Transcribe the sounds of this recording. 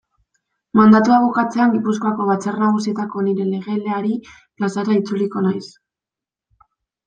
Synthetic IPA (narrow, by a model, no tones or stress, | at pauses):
mand̪at̪uaβukat͡se̞aŋɡipusko̞ako̞βat͡sernaɣ̞usie̞t̪ako̞niɾe̞le̞ɣ̞e̞le̞aɾi | plasaɾait͡suliko̞najs